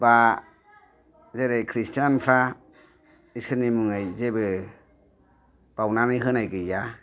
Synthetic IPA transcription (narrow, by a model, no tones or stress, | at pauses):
ba | zeɾejkʰɾistʰjanpʰɾa | isɯnimuŋajzebɯ | b̥awnamiɦɯnajɡɯja